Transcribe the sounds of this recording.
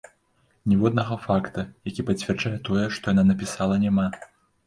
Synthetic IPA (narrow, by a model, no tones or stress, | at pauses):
nʲɛvɔd̪nɐɣɐfakt̪ɐjakʲipɐt͡sʲvʲɛrd͡ʐajɛt̪ɔjɛʂt̪ɔjananɐpʲisalˠɐnʲama